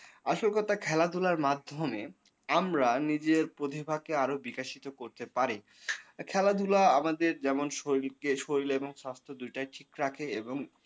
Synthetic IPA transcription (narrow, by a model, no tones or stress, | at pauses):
aʃolkɔt̪akʰɛlad̪ʱulaɾmad̪ʱome | amɾanid͡ʑeɾpɾot̪ʰibʱakeaɾobikaʃit̪okoɾt̪epaɾi | kʰɛlad̪ʱulaamad̪eɾd͡ʑɛmonʃoilkeʃoɾileboŋʃast̪ʰɾod̪ujʈajʈʰikɾakʰeeboŋ